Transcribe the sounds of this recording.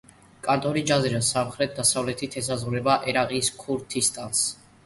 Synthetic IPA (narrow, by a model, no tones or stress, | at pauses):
kʼant̪ʼɔɾid͡ʒazɛɾasamχɾɛt̪̚d̪asavlɛt̪ʰit̪ʰɛs̬azʁuɾɛbaʔɛɾaʁiskʰuɾt̪ʰist̪ʼans